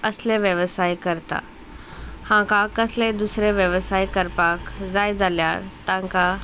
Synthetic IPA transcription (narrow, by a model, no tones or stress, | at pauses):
ɐsleʋjəʋəsaːikɐɾt̪a̰ | hãːkakɐsled̪usɾeʋjəʋəsaːikɐɾpakzaːɪzaːlja̰ːɾt̪ãɦka